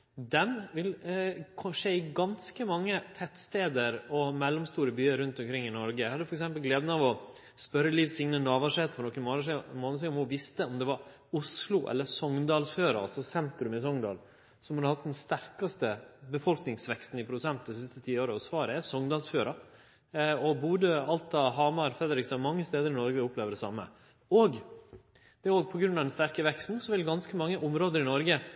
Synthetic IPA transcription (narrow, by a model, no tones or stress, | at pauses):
d̪ɛnʋɪlkʰɔʂeːɪɡɑnskəmɑŋːət̪ʰɛt̪st̪eːd̪əɾɔmɛlːɔmst̪uːɾəbyːəɾʉnt̪ɔmkʰɾɪŋːɪnɔɾɡəhɑd̪ːʉfɔɾɛksɛmpəlɡleːd̪ənəɑʋɔ | spœɾəliːʋsɪŋnənɑːʋɑʂɛt̪fʰɔɾnɔkːənmoːnəmoːns̬ɛɔmhʊʋɪst̪əɔmd̪ɛʋɑɾ | ʊslʊʔɛ̰lːəsɔŋd̪ɑːlsføːɾɑ̰ɑ̰lsɔsɛnt̪ɾʉmɪsɔŋd̪ɑ̰ːl | sɔmhɑd̪hɑt̪̚d̪ɛnst̪æɾkɑst̪əbəfɔlknɪŋsʋɛkst̪n̩ɪpʰɾʊd̪ʉsɛnt̪d̪ɛsɪst̪ət̪ʰiːoːɾəɔsʋɑːɾəɛsɔŋd̪ɑːlsføːɾɑ | ɔbuːd̪əɑlt̪ɑɦɑːmɑɾfɾɛd̪əɾɪksɑmɑŋːəst̪eːd̪əɾɪnɔɾɡəʊpleːʋəd̪ɛsɑmːə̰ | oːɡ | d̪̥ɛoːɡpʰɔɡɾʉnːɑʋd̪ɛnst̪æɾkəʋɛkst̪n̩sɔʋɪlɡɑnskəmɑŋːəʔʊmɾoːd̪əɾɪnɔɾɡə